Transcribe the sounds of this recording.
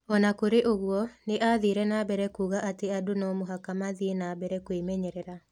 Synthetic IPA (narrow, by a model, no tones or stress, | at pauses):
ɔnakoɾeʔoɣwɔneʔaðiɾɛnabɛɾɛkuːɣaʔateadonɔmoɦakamaðienabɛɾɛkwemɛɲɛɾɛɾa